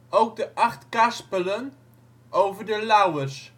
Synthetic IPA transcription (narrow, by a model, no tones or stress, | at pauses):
ʔowk̚dəʔɑχtkaspələn | ʔowvəɹdəlawərs